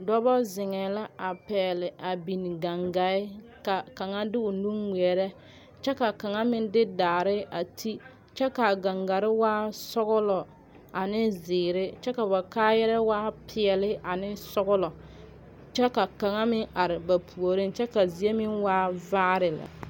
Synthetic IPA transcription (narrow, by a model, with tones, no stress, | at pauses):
dɔ˦bɔ˦zɪ˨ŋɛ˨la˦a˨pɛː˨lɪ˨a˨bi˨n˨ɡa˨ŋɡa˨ɪ˦ | ka˨ka˨ŋa˦dɪ˦ʊ˨nu˦mi˨ɛ˨ɾɛ˦ | t͡ʃɛ˦ka˨ka˨ŋa˦mɪ˦ndɪ˦daː˨ɾɪ˦a˨tʰi˦ | t͡ʃɛ˦ka˨ɡa˨ŋɡa˨ɾɪ˦waː˦sɔ˦ɣʊ˦lɔ˨ | a˨nɪ˦zɪː˨ɾɪ˦t͡ʃɛ˦ka˨ba˨kaː˦jɛ˦ɾɛ˦waː˦pʰɪ˨ɛ˨lɪ˦a˨nɪ˦sɔ˦ɣʊ˦lɔ˨ | t͡ʃɛ˦ka˨ka˨ŋa˦mɪ˦ŋa˨ɾɪ˨ba˨pʰu˨o˨ɾɪ˦nt͡ʃɛ˦ka˨zi˨e˦mɪ˦ŋwaː˦vaː˦ɾɪ˨la̰˨